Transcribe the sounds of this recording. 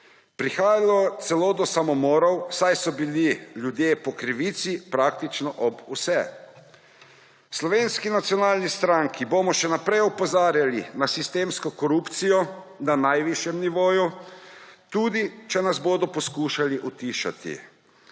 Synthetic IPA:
pɾixaːjalɔt̪sɛloːd̪ɔsamɔmɔːɾɔwsajsɔbililʲjud̪jepɔkɾiʋit̪sipɾaːk̚t̪it͡ʃnɔʔɔbusɛ | slɔʋeːnskinat̪sijɔnaːlnist̪ɾaŋkiboːmɔʃɛnapɾɛjɔpɔzaːɾjalinasist̪eːmskɔkɔɾupt̪sijɔ | nanajʋiʃjɛmniʋoːju | t̪uːd̪it͡ʃɛnazboːd̪ɔpɔskuːʃaliʔut̪iːʃa̰t̪ḭ

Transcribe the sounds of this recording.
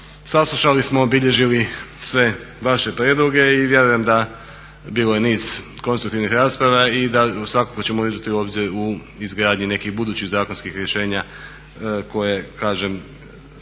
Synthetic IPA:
saslˠuʃalismo̞ːbiʎe̞ʒilisʋe̞ | ʋaʃe̞pɾjeːd̪lˠoɡe̞iʋje̞ɾuje̞md̪a | biːloje̞niːz̥konst̪ɾukt̪iʋnixɾaːspɾaʋaid̪asʋakakot͡ɕe̞moizd͡ʑat̪iuo̞ːbziɾu | izɡɾaːd̪ɲine̞kixbud̪uːt͡ɕiɣzaːkonskixɾje̞ʃe̞ːɲa | ko̞je̞kaːʒem

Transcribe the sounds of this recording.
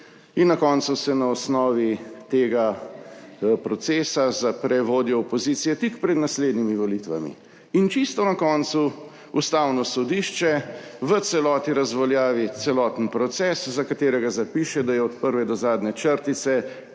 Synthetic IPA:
inːakɔːnt̪susɛnaɔsnɔːʋit̪eːɡa | pɾɔt̪seːsazapɾɛʋoːd̪jɔːpɔziːt̪sijɛt̪ikpɾɛd̪nasleːd̪nimiʋɔlit̪ʋa̰mḭ | int͡ʃist̪ɔnakɔːnt̪su | ust̪awnɔsɔd̪iːʃt͡ʃɛʋət̪sɛlɔːt̪niɾazʋɔljaːʋit̪sɛlɔːt̪n̩pɾɔt̪sɛszakat̪eːɾɛɡazapiʃɛd̪ajɛɔt̪pəɾʋɛd̪ɔzaːd̪nɛt͡ʃəɾt̪it̪sɛ

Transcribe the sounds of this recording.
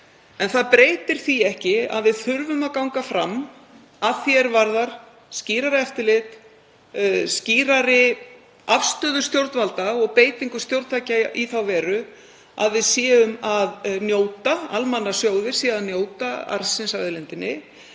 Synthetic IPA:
ɛnθaðpɾeːjt̪ɪɾ̥θiɛhcɪa̰ðvɪðθʏɾvʏmaðkawŋkafɾa̰m | aθjɛɾvaɾðaɾ̥ | sciːɾaɾɪɛft̪ɪlɪt̪ | sciːɾaɾɪ | afst̪œːðʏ̥st̪jowɾt̪nvalt̪aɔɣpeːjt̪iŋkʏ̥st̪jowɾt̪t̪ʰaːcaʔiθawvɛːɾʏ | a̰ðvɪðsjɛːʏmaðnjoːwt̪aa̰lmanːasjoːwðɪɾ̥siːaðnjoːwt̪aa̰ɾsɪnsaðɪlɛnt̪ɪnːɪ

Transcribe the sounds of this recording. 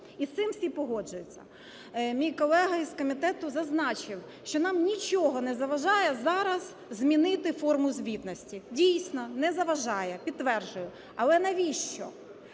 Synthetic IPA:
ist̪ɪmsʲipɔɦɔd͡ʒʊjʊt͡sʲːɐ̰ | mʲijkɔlˠɛɦɐizkɔmʲit̪ɛt̪ʊzɐznɑt͡ʃɪw | ʃt͡ʃɔnɑmnʲit͡ʃɔɦɔnɛzɐʋɐʒɑjɛzɑɾɐz | zmʲinɪt̪ɪfɔrmʊzʲʋʲit̪nɔsʲtʲidʲijsʲnɔnɛzɐʋɐʒɑjɛpʲid̪ːʋɛrʒʊjʊ | ɐlˠɛnɐʋʲiʃt͡ʃɔ̰

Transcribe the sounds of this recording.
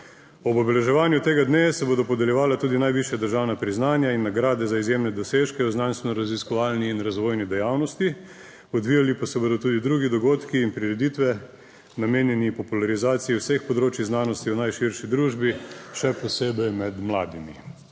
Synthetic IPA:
ɔbɔbɛlɛʒɛʋaːnjut̪eːɡad̪nesɛboːd̪ɔpɔd̪ɛljɛʋaːlat̪uːd̪inajʋiʃjad̪əɾʒaːwnapɾiznaːnjainːaɡɾaːd̪ɛzaizjemnɛd̪ɔseʃkɛɔznanst̪ʋɛnɔɾaziskɔʋaːlniːnɾazʋoːjnid̪ɛjawnɔst̪i | ɔd̪ʋiːjalipasɛboːd̪ɔt̪uːd̪id̪ɾuːɡid̪ɔɡoːt̪kiːnpɾiɾɛd̪it̪ʋɛ | nameːnjɛnipɔpulaɾizaːt̪sijɛwsexpɔd̪ɾoːt͡ʃiznaːnɔst̪iwnajʃiɾʃid̪ɾuʒbiʃɛpɔseːbɛjmɛd̪mlaːd̪imḭ

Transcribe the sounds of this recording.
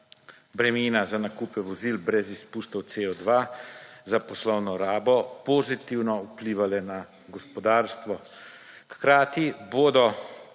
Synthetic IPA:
bɾɛmiːnazanakuːpɛʋɔziːlbɾɛzispuːst̪ɔwt̪seɔd̪ʋazapɔslɔwnɔɾaːbɔpɔzit̪iwnɔupliːʋalɛna | ɡɔspɔd̪aːɾst̪ʋɔ | xkɾaːt̪iboːd̪ɔ

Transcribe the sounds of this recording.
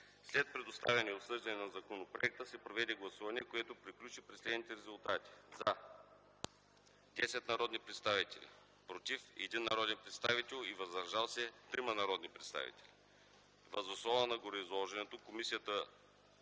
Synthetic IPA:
slɛt̪̚pɾɛd̪ost̪a̰vʲɛniosɤʒd̪ɐnɛnɐzɐkonopɾo̰ɛk̚t̪əsɛpɾovɛd̪ɛɡlˠɐsuvɐniɛkoɛt̪opɾiklʲut͡ʃipɾɛslɛd̪nit̪ɛɾɛzʊlˠt̪at̪i̥zɐ | d̪ɛsɛt̪nɐɾɔd̪nipɾɛt̪st̪avit̪ɛ̰lʲḭ | pɾot̪ifɛ̰d̪inːɐɾɔd̪ɛnpɾɛt̪st̪avit̪ɛlˠivɐzd̪ɐɾʒalˠsɛt̪ɾimɐnɐɾɔd̪nipɾɛt̪st̪a̰vḭt̪ɛ̥li | vɐzoslˠɔvənɐɡoɾiizlˠɔʒɛnɛt̪okomisijət̪ə

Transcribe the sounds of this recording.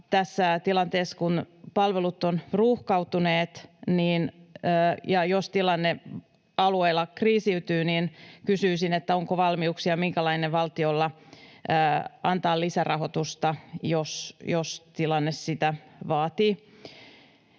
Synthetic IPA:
t̪æsːæt̪ilɑnt̪eːskun | pɑlʋelut̪ːonruːhkɑwt̪uneːt̪niːnː | jɑjost̪ilɑnːe | ɑlueilːɑkriːsiyt̪yːniːnkysyːsinet̪ːæo̞ŋkoʋɑlmiuksiɑmiŋkælɑineʋɑlt̪iolːɑ | ɑnt̪ɑːlisærʔɑho̞t̪ust̪ɑjosjost̪ilɑnːessit̪æʋɑːt̪iː

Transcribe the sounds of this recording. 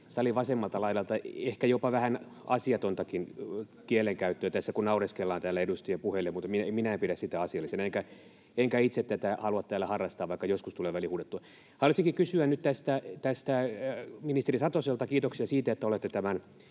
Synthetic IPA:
sɑliʋɑsemːɑlt̪ɑlɑilɑlt̪ɑehkæjopɑʋæhæn | ɑsiɑt̪ont̪ɑkin | kieleŋkæyt̪ːøːt̪æsːækunnɑureskelːɑːnt̪æːlːæeɾust̪iempuhelːemut̪mineminæempiɾæssit̪æɑsiɑlːˑiseneŋkæ | eŋkæit̪set̪t̪ːæt̪æhɑluɑt̪t̪æːlːæhɑrːɑst̪ɑːʋʋɑikːɑjoskust̪uleːʋælihuːdet̪ːuɑ | hɑluisiŋkikysyænyt̪t̪æst̪æt̪æst̪æminist̪erisɑt̪oselt̪ɑkiːt̪oksiɑsiːt̪æet̪ːæolet̪ːet̪æmæn

